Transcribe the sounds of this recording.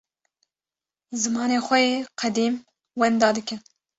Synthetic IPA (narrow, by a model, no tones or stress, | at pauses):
zɨmɑːneːxʷɛjeːqʰɛd̪iːm | wɛnd̪ɑːd̪ɨkɨn